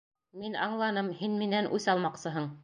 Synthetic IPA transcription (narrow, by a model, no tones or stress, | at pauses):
minɑɴlˠɑnɤmhinmɘnænʔʉsɑlˠmɑqsɤɦɤɴ